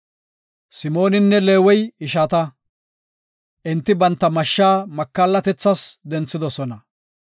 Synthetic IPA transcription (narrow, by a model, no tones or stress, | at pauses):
sɪmo̞ːnɪnːɛle̞ːwɔjɪʃat̪ɐ | ʔɪnt̪ːɪbɐnt̪ːɐmɐʃːaːmɐkːaːlːɐt̪ɛt͡sːɐsd̪ɛnt͡sːɪd̪ɔsɔnɐ